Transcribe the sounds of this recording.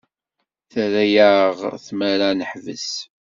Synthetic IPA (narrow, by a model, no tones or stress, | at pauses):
θəɾæjaʁθmæɾanəħvə̰s